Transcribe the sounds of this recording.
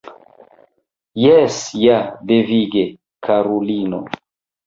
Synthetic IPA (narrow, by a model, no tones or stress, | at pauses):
jesjadeviɡe | kʰaɾolino